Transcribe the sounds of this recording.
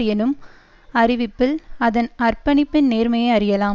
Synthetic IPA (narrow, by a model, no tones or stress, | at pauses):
ɪjɛnɯm | ɐɾɪʋɪpːɪlɐðɐnɐrpɐnɪpːɪnneːɾmɐjɐɐɾɪjɐlaːm